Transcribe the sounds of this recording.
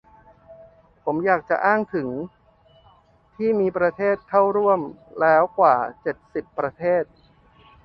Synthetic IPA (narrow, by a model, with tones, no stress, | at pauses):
pʰo˩˦mjaː˨˩k̚t͡ɕa˨˩ʔaː˥˩ŋt̪ʰɯ˩˦ŋ | t̪ʰiː˥˩miː˧pɾa˧t̪ʰeː˥˩t̪̚ʰːa˥˩wɾu˥˩əmlɛː˦˥wkwaː˨˩t͡ɕe˨˩t̪̚si˨˩pːɾa˧t̪ʰeː˥˩t̪̚